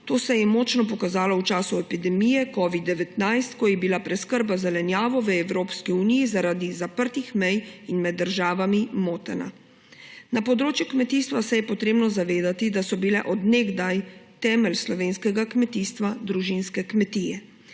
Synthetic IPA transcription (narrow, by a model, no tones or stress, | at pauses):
t̪oːsɛjɛmɔːt͡ʃnɔp̬ɔkazaːlɔwt͡ʃaːsuɛpid̪ɛmiːjɛkɔːʋid̪ːɛʋɛt̪najst̪kɔjɛbilapɾɛskəɾbazɛlɛnjaːʋɔʋəɛwɾoːpskiunijizaɾaːd̪izapəɾt̪ixmɛjinmɛd̪ːəɾʒaːʋamimoːt̪ɛna̰ | napɔd̪ɾoːt͡ʃjukmɛt̪iːst̪ʋasɛjɛpɔt̪ɾeːbnɔzaʋeːd̪at̪id̪asɔbilɛ̰ʔɔd̪nɛɡd̪ajt̪ɛːmɛlslɔʋeːnskɛɡakmɛt̪iːst̪ʋad̪ɾuʒinskɛkmɛt̪iːjɛ